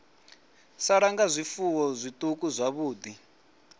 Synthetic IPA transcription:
saɺaŋɡazʷifuwɔzʷit̪ʼukuzʷaβuːd̪i

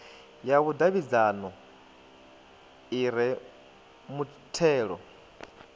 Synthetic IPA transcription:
jaβudaβid͡zanɔ | iɾɛ | mu | tʰɛːɺɔ̰

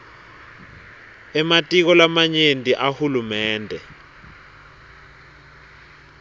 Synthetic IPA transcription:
ɛmatʼik̬ɔlamaɲendʱʼiʔahulumɛːndʱɛ

